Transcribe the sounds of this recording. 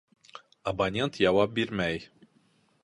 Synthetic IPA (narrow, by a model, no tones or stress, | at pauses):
ɐbanʲent̪jɑwɑp̚biɾmæj